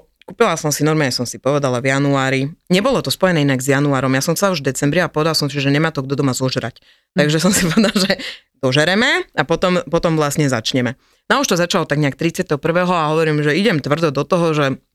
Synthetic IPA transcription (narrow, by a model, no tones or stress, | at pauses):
kuːpilasɔmsinɔɾmaːɲɛsɔmsipɔʋɛd̪alavjanuaːɾiɲɛbɔlɔt̪ɔspɔjɛnɛːinaɡzjanuaːɾɔmjaːsɔmxt͡sɛlauʒvd̪ɛt͡sɛmbɾiapɔʋɛd̪alsɔ̃msiʒɛɲɛmaːt̪ɔɡd̪ɔd̪ɔmazɔʒɛɾa̰c | taɡʒɛsɔmsipɔʋɛd̪alʒɛ | d̪ɔʒɛɾɛmɛapɔt̪ɔmpɔt̪ɔmʋlasɲɛza̰t͡ʃɲɛmɛ | nɔuʃt̪ɔzat͡ʃalɔt̪aɡɲɛak̚t̪ɾit͡sɪat̪ɛɦɔpr̩ʋɛːɦɔaɦɔʋɔɾiːmʒɛiɟɛmt̪ʋr̩d̪ɔd̪ɔt̪ɔɦɔʒɛ